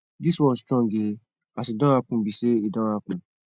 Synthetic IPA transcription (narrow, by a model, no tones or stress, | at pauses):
diswɔ̃stɔ̃ŋɡe | atidɔ̃akũbiʃeidɔ̃ɾakũ